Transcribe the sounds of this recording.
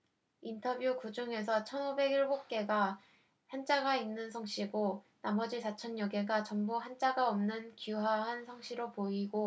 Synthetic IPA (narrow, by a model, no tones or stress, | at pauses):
intʰʌbjukud͡ʑuŋe̞sʰʌt͡ɕʰʌnobe̞ɡiɭbok̚k͈e̞ɡa | hant͡ɕ͈aɡainːɯns̬ʰʌŋɕ͈ʰiɡo | namʌd͡ʑisʰat͡ɕʰʌnjʌɡe̞ɡat͡ɕʌmbuɦant͡ɕ͈aɡaʌmnɯnkuɦaɦansʰʌŋɕ͈ʰiɾopoiɡo